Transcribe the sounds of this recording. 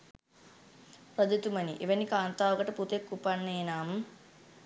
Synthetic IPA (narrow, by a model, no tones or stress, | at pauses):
prɐd̪it̪umɐniʔeʋɐnikaːnt̪aːʋɐkɐʈɐput̪ekːupanːeːnaːm